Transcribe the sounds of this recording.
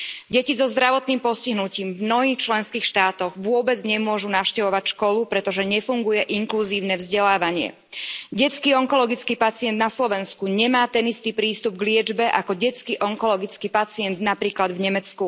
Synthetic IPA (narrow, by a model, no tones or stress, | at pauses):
ɟɛcizɔzd̪ɾaʋɔt̪niːmpɔsciɦnuciːmvmnɔɦiːxt͡ʃlɛnskiːxʃt̪aːt̪ɔɣʋʊɔbɛd͡zɲɛmʊɔʒunafʊʃcɛʋɔʋacʃkɔlupɾɛt̪ɔʒɛɲɛfuŋɡujɛʔiŋkluziːʊnɛvzɟɛlaːʋaɲɪɛ̰ | ɟɛt͡skiːɔŋkɔlɔɡit͡skiːpat͡siɪɛnd̪naslɔʋɛnskuɲɛmaːt̪ɛnist̪iːpɾiːst̪ubɡlɪɛd͡ʒbɛʔakɔɟɛt͡skiʔɔŋkɔlɔɡit͡skiːpat͡siɪɛnd̪napɾiːklad̪vɲɛmɛt͡sku